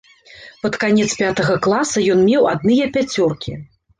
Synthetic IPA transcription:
pɐt̪kanʲɛt̪spʲat̪ɐɣɐklˠasɐjɔnmʲɛwad̪̚nɨjɐpʲat͡sʲɔrkʲi

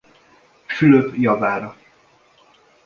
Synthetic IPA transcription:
fyløpjɒvaːɾɒ

